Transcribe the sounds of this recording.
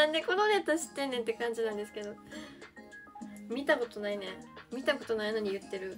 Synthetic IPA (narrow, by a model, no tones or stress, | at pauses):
nãnd̪eko̞nonet̪aɕi̥t̪ːẽ̞nːẽ̞nt̪ːe̞kãɲ̟d͡ʑinãnd̪e̞sɨ̥ke̞d̪o̞ | mʲit̪ako̞t̪o̞nainẽmʲit̪ako̞t̪o̞naino̞ɲ̟ijɯ̟t̪ːe̞ɾɯ̟